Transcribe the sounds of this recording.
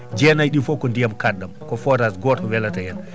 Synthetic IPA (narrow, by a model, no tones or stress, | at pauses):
d͡ʒɛnajɗifɔkɔndijamkadːamkɔfɔɾasɡɔtɔwɛlatajɛn